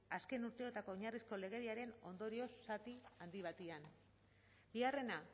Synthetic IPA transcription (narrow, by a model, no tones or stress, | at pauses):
aske̞nuɾt̪eo̞t̪ako̞ːɲarisko̞le̞ɣ̞e̞ɾiaɾe̞no̞nd̪o̞ɾio̞sːat̪iand̪iβ̞at̪ian | biare̞na